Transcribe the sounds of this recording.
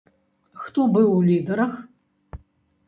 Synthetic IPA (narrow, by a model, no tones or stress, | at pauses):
xtʰʼobɨwuliːdɐɾɐx